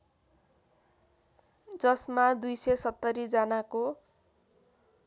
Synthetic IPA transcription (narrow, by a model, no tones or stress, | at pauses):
d͡zʌsmad̪ujsʌsʌt̪ːʌɾid͡zʌnako